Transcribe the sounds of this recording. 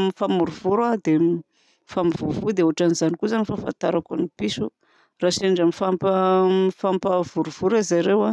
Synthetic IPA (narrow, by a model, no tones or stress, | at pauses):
mifamuɾuvuɾad̪e | famivuvud̪euaʈ͡ʂanizanikuzanifafa̰nt̪aɾakunipisu | raseɳɖ͡ʐamifampafampav̥uɾuv̥uɾizaɾewa